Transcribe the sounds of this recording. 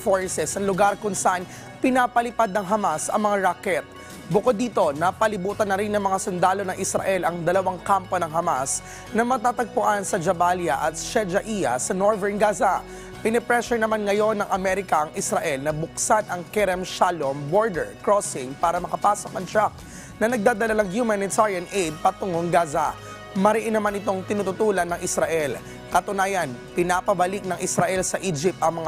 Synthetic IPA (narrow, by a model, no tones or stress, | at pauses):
foɹsɛsɐŋlʊɡaɾkʊŋsɐʔan | pɪnapɐlɪpad̪̚nɐŋɦɐmasɐ̰ŋmɐŋaɹakɛt̪̚ | bʊkod̪ːiːt̪o̞napɐlɪbuːt̪ɐnːɐɾinɐŋmɐŋasʊnd̪aːlo̞nɐŋʔɪsɾɐ̰ʔɛlɐŋd̪ɐlɐwaŋkampo̞nɐŋɦɐmas | nɐmɐt̪aːt̪ɐɡ̚pʊʔansɐd͡ʒɐbaljɐʔɐt̪̚ʃɛd͡ʒɐʔijɐ̰sɐnoɹvɛɹnɡaza | pɪnɛpɾɛʃɛnɐmanŋɐjo̞nːɐŋʔɐmɛɾɪkɐʔɐŋɪsɾɐʔɛlnɐbʊksanʔɐŋkɛɾɛmʃalomboɹd̪ɛɹkɹosɪŋpaːɾɐmɐkɐpaːsok̚nɐŋt̪ɹak̚ | nɐnɐɡ̚d̪aːd̪ɐlalɐŋhjumanɪt̪aɾjɐnʔejd̪̚pɐt̪ʊŋoŋɡaːza | mɐɾɪʔɪnɐmanɪt̪o̞ŋt̪ɪnʊt̪ʊt̪uːlɐnːɐŋʔɪsɾɐʔɛl | kɐt̪ʊnaːjɐnpɪnaːpɐbɐlɪk̚nɐŋʔɪsɾɐʔɛlsɐʔid͡ʒɪp̚t̪ʔɐŋmɐŋa